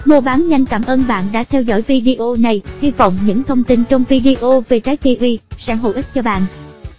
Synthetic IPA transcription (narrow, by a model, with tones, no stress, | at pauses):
mo˧ɓaː˨˦nɲa˧jŋ̟kaː˧˩mʔəː˧nɓa̰ː˧˨nɗa̰ː˧˥t̪ʰɛ˧wzɔ̰˧˩jvi˧ɗi˧ʔo˧na˨˩jhi˧vɔ̰˧˨wŋ͡mɲɨ̰˧˥ŋt̪ʰə˧wŋ͡mt̪ï˧nt͡ɕɔ˧wŋ͡mvi˧ɗi˧ʔo˧ve˨˩t͡ɕaː˨˦j̚t̪i˧ʔwi˧sa̰ː˧˥nɦo̰˧˨jʔi˦˥k̚t͡ɕɔ˧ɓa̰ː˧˨nʔ